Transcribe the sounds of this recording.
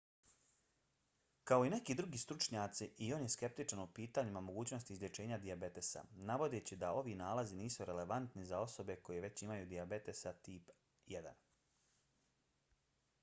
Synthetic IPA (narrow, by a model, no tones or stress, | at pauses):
kao̞ine̞kiːd̪ɾuɡiːst̪ɾut͡ʃɲat̪siʔio̞ːnje̞ske̞p̚t̪it͡ʃanupiːt̪aɲimamo̞ɡuːt͡ɕno̞st̪iːzlʲe̞t͡ʃe̞ːɲad̪iabe̞t̪e̞sa̰naʋo̞d̪et͡ɕid̪ao̞ʋinaːlaziniːsuɾe̞le̞ʋant̪nizao̞so̞be̞ko̞jeʋe̞t͡ɕimajuːd̪iabe̞t̪e̞sat̪iːp | jed̪a̰n